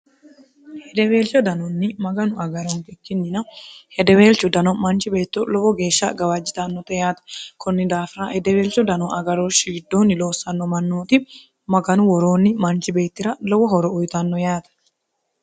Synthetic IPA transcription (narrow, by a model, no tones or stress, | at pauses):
hɛd̪ɛwe̞ːlt͡ʃːɔd̪ɐnɔnːɪmɐɡɐnʊɐɡɐɾɔŋkʼɛkːɪnːɪnɐhɛd̪ɛwe̞ːlt͡ʃːɔd̪ɐnɔmɐnt͡ʃɪbe̞ːt̪ːɔlɔwɔɡe̞ːʃːɐɡɐwɐd͡ʒːɪt̪ɐnːɔt̪ɛjaːt̪ɐ̥kʰɔnːɪd̪aːfɪɾaːhɛd̪ɛweːlt͡ʃːɔd̪ɐnɔʔɐɡɐɾoːʃiːd̪ːoːnːɪlo̞ːsːɐnːɔmɐnːoːt̪ɪ | mɐɡɐnʊwɔɾoːnːɪmɐnt͡ʃɪbe̞ːt̪ːɪɾɐlɔwɔɦɔɾɔʊjt̪ɐnːɔjaːt̪ɐ̥